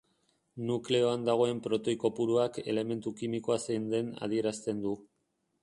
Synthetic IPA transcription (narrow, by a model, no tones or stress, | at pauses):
nukle̞o̞and̪aɣ̞o̞e̞mpɾo̞t̪o̞jko̞puɾuake̞le̞me̞nt̪ukimiko̞asend̪e̞na̰ð̞ie̞ɾast̪e̞nd̪u